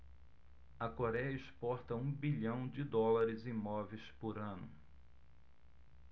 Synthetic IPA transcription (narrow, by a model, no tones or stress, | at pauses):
ɐkoɾɛjɐɪspɔɾt̪ɐũbiʎɐ̃w̃d͡ʒɪd̪ɔlaɾɪzĩmɔvejspoɾɐ̃nʊ